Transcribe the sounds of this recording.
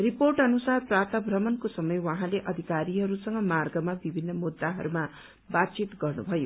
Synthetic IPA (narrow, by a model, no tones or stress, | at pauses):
riporʈʌnusarprap̚t̪ʌbʱrʌmʌnkosʌmʌjwʌ̃ɦãleʔʌd̪ʱikaɾiɦʌɾusʌŋɡʌmarɡʌmabibʱinːʌmud̪ːaɦʌ̰ɾuma | bat̪̚t͡sit̪ɡʌrnubʱʌjo